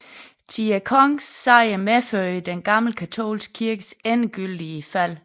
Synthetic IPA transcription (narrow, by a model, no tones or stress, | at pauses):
t͡sʰiækʰɒŋsːɑ̈ɪəmeføɐ̰əd̥enɡ̥ɑ̈ml̩kʰæt͡sʰo̝̰ːlsɡ̥kʰiɐɡ̥əsenɡ̥yld̥iəfæl̰